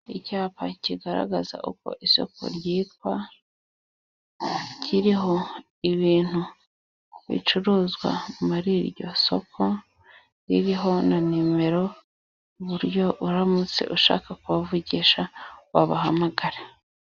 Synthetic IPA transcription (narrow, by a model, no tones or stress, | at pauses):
icaːpaciɡaɾa̰ɡaza̰ʔṵko̞̰ʔiso̞̰ko̞̰ɾjiːt̪wa | cʰiɾiɦo̞ | iβiːn̥hu | βḭt͡ʃuɾuːzɡwa̰muɾiɾɟo̞̰so̞̰kʰo̞ | ɾḭɾiɦo̞nanime̞ɾo̞ | uβuɾjo̞uɾamut͡se̞̰ʔuʃa̰ːkakuβavuɟiʃawaβaha̰maɡaɾe